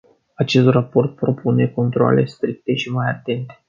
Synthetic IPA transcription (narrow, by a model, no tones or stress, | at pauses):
at͡ʃe̞st̪rapo̞rt̪̚pɾo̞pʰune̞ko̞nt̪ɾoa̰le̞̰st̪ɾik̚t̪e̞ʃimajat̪e̞nt̪e̞